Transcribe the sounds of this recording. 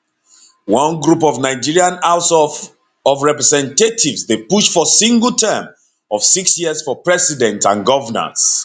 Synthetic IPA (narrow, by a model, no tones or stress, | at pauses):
wɔ̃nɡɹupɔvnaɪd͡ʒiɹiãnalsɔ | ɔvɹɛpɹɛsɛ̃ntetʰivsdepuʃfɔsĩŋɡəl̩ˠtʰɛm | ɔfsiksjiəsfɔpɹɛsidɛ̃ntãnɡɔvənə̰s